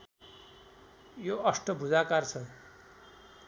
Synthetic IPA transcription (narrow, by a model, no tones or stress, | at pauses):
joʌsʈʌbʱud͡zakart͡sʰʌ